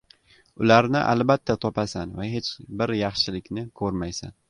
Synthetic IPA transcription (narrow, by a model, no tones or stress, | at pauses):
ʊlaɾnɪ̰ʔa̰lbat̪ʰːat̪ʰɒpasanvahet͡ʃbɪɾjɑχʃɪlɪkʲnɪkʰɵɾmajsa̰n